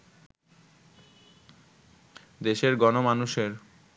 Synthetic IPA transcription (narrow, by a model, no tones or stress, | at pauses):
d̪eʃeɾɡɔnomanuʃeɾ